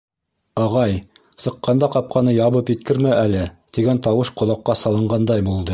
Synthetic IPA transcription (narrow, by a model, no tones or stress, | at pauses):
ɑʁɑj | sɤ̆qːɑnd̪ɑqɑp̚qʰɑnɤjɑβɤpjɘ̆t̪̚kɘ̆ɾmæʔælɘt̪iɡænt̪ɑwɤʃqŏlˠɑqːɑsɑlˠɤ̆ɴɢɑnd̪ɑjbulˠd̪ɤ